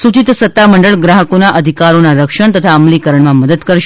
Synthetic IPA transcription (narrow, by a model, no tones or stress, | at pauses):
sut͡ʃit̪sət̪ːaməɳɖəɭɡɾaɦəkonaʔəd̪ʱikaɾonaɾəkʃəɳt̪ət̪ʰaəmlikəɾəɳmãməd̪əd̪kəɾʃ